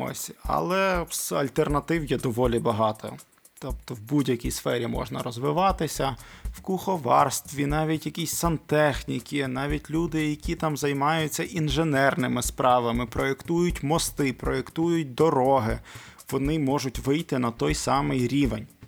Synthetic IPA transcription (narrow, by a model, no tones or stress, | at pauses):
ɔ̰sʲɐ̰lˠɛsɐ̰lʲt̪ernɐt̪ɪwjɛd̪ɔʋɔlʲibɐɦɑt̪ʰɔ̰ | t̪ɔp̚t̪ɔwbudʲjɐkʲijsfɛɾʲimɔ̰ʒnɐ̰ɾɔzʋɪʋɑt̪ɪsʲɐwkʊxɔʋɑrst̪ʋʲinɑʋʲitʲjɐkʲisʲsɐnt̪ɛxnʲikʲɪnɑʋʲitʲlʲud̪ɪjɐkʲit̪ɑmzɐjmɑjʊt͡sʲːɐʔinʒenɛrnɪmɪspɾɑʋɐmɪpɾɔekt̪ujʊtʲmɔst̪ɪpɾɔekt̪ujʊt̚ʲd̪ɔɾɔɦɪ | ʋɔnɪmɔʒʊtʲʋɪjt̪ɪnɐt̪ɔjsɑmɪjɾʲiʋḛnʲ